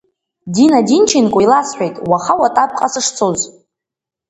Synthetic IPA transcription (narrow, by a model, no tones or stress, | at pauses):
dinadint͡ʃʰinkʷʼʊjlasħʷᶣejtʼwaχawatʼap̚ʰʼqʼasɨʂt͡sʰoz